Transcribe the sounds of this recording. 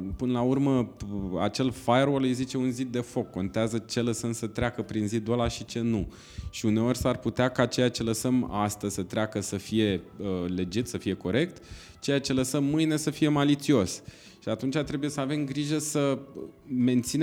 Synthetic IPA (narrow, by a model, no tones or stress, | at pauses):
pɨnəlaurməa̰t͡ʃe̞lfajerwolejzit͡ʃe̞unzid̪̚d̪e̞fo̞kːo̞nt̪eazət͡ʃe̞ləsəmsət̪ɾeakəpɾinzid̪olaʃit͡ʃe̞nu | ʃiune̞o̞ɾʲsarput̪eakat͡ʃe̞jat͡ʃe̞ləsəmast̪əzʲsət̪ɾeakəsəfije̞əle̞d͡ʒit̪səfije̞ko̞ɾe̞k̚t̪ | t͡ʃe̞jat͡ʃe̞ləsəmːɨjne̞səfije̞malit̪sio̞s | ʃiat̪unt͡ʃat̪ɾe̞buje̞səave̞mɡɾiʒəsə | me̞nt̪sin